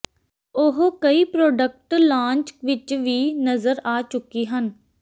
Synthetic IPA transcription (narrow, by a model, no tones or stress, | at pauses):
ʊɦkəiːpɾoːɖək̚ʈlãːɲt͡ʃʋɪt͡ʃʋiːnəzəɾaːt͡ʃʊkiːɦən